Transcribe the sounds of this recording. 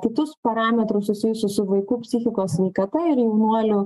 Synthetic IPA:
kʲɪt̪ʊspɐɾɑːmʲɛt̪ɾʊssʊsʲɪjʊsʲʊsʊʋɐɪkuːpʲsʲɪxʲɪkoːsʲsʲʋʲɛɪkɐt̪ɐɪɾjɛʊnuɔlʲʊ

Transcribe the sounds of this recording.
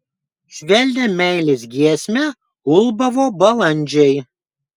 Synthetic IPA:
ʃʲʋʲɛlʲd̪ʲɛmʲɛɪlʲɪs̬ɡʲiɛsʲmʲɛ | ʊlˠbɐʋoːbɐlˠɐnʲˑd͡ʒʲɛɪ

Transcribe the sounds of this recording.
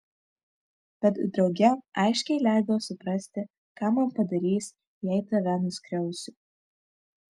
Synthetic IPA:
b̥ʲɛt̪d̪ɾɒʊɡʲɛɑɪʃʲkʲɛɪlʲæˑɪd̪ɐoːsʊpɾɐsʲt̪ʲɪ | kɑːmɐnpɐd̪ɐɾʲiːs | jɛɪt̪ɐʋ̪ʲɐnʊsʲkɾʲɛʊsʲʊ

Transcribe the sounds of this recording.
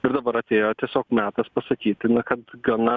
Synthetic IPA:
ɪɾd̪ɐbɐɾɐt̪ʲeːjoːt̪ʲiɛsʲoːkmʲæːt̪ɐspɐsɐkʲiːt̪ʲɪnɐkɐt̪ɡɐnɐ

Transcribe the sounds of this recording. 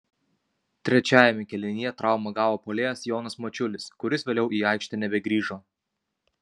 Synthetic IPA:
t̪ʲɾʲɛt͡ʃʲæːjɛmʲɛkʲɛlʲɪnʲɪjɛt̪ɾɑˑʊmɐɡɑːʋoːpoːlʲeːjɛsjɔːnɐsmɔt͡ʃʲʊlʲɪskʊɾʲɪsʋʲeːlʲɛʊʔiːɑˑɪkʃʲt̪ʲɛnʲɛbʲɛɡɾʲiːʒoː

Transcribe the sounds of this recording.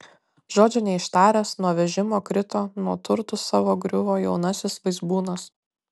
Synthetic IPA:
ʒoːd͡ʒʲʊnʲɛɪʃt̪ɑːɾʲɛːsnuɔʋʲɛʒʲɪmoːkɾʲɪt̪oːnuɔt̪ʊɾt̪ʊsɑːʋoːɡɾʲʊʋoːjɛʊnɐsʲɪsʋɐɪzbuːnɐs

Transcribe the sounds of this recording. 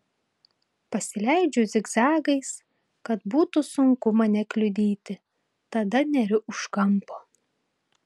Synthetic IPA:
pɐsʲɪlʲæɪd͡ʒʲʊzʲɪɡzɑːɡɐɪs | kɐt̪buːt̪ʊsʊŋkʊmɐnʲɛkʲlʲʊd̪ʲiːt̪ʲɪ | t̪ɐd̪ɐnʲɛɾʲʊʔʊʃkɐmpoː

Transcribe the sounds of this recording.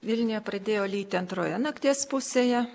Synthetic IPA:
ʋʲɪlʲnʲɪjɛpɾɐd̪ʲeːjoːlʲiːt̪ʲɪɐnt̪ɾoːjɛnɐkt̪ʲeːspʊsʲeːjɛ

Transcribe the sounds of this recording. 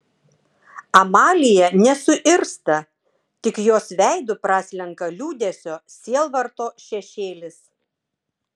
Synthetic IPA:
ɐmɑːlʲɪjɛnʲɛsʊʔɪɾst̪ɐ | t̪ʲɪkjoːsʋʲæˑɪd̪ʊpɾɑːsʲlʲɛŋkɐlʲuːd̪ʲɛsʲoːsʲiɛlˠʋɐɾt̪oːʃʲɛʃʲeːlʲɪs

